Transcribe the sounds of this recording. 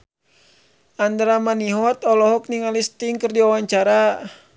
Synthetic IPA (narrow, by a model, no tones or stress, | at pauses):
and̪ɾamaniɦɔt̪ɔlɔɦɔk̚niŋalist̪iŋkɨrdiawaɲt͡ʃaɾa